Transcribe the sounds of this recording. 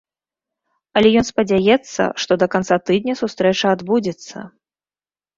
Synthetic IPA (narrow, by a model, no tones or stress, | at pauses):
ɐlʲɛjɔnspɐd͡zʲajɛt̪sːɐ̰ʂt̪ɔd̪ɐkant̪sat̪ɨd̪nʲɐsust̪ɾɛt͡ʂɐad̪bud͡zʲɛt̪sːɐ̰